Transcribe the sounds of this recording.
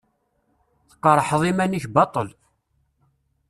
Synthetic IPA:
θə̥qːəɾˤəħðˤimænəçbɑt̪ˤəl

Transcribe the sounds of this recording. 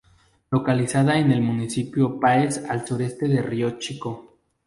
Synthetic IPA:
lo̞kalisaðaene̞lmũnisipjopaesalsuɾe̞st̪e̞ðe̞riot͡ʃiko̞

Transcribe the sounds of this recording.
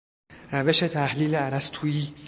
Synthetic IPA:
ɾæve̞ʃet̪ʰæhliːleæɾæst̪ʰuːiː

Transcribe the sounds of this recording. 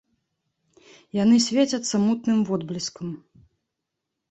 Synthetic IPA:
janɨsʲvʲet͡sʲɐt̪sːɐmut̪nɨmvɔd̪blʲiskɐm

